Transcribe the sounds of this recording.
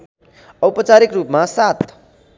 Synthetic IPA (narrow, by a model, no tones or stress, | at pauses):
ʌwpʌt͡saɾikrupmasat̪